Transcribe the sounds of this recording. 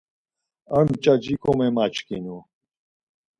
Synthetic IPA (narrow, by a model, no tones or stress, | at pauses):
əɳt͡ʃad͡ʑikʰomemat͡ʃkinu